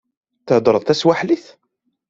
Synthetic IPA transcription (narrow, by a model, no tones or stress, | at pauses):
θəʕd̪ɾˤəðˤθæswaħliθ